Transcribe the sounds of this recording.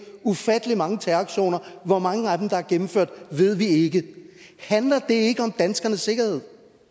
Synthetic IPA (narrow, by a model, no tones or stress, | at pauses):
ufæd̥əlimɑ̈ŋət͡sʰæɑɡ̥ɕo̝̰ːnɐʋɒmɑ̈ŋəæd̥emd̥ɑ̈æɐɡ̥em̩føɐ̰d̥ʋe̝ð̞̰ˠʋie̝ɡ̥əhænlɐd̥e̝e̝ɡ̥əɒ̽md̥ænsɡ̥ɐnəsːe̝ɡ̥ɐhe̝ð̰ˠ